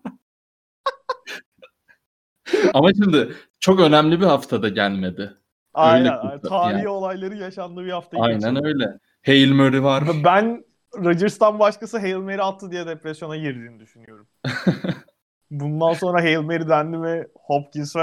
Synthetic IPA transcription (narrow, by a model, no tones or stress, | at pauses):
amaʃimd̪ɪ | t͡ʃʰo̞kø̞næmlʲibihaft̪ʰad̪aɟælʲme̞d̪ɪ | aøjjnlʲɛænjt̪ʰaːio̞lˠajlˠaɾɯjaʃand̪ɯːbihaft̪ʰajajnænø̞jlʲɛ | hejilʲmøɾivaɾbæn | ɾad͡ʒiɾst̪anbaʃkasɯɦejilʲˠme̞ɾialt̪ʰːɯd̪ijɛd̪epɾesjo̞naɟiɾd̪iːnid̪yʃynyjo̞ɾumm | bund̪anso̞nɾaɦejilʲˠme̞ɾid̪ænd̪imɛ | hopcʰinsf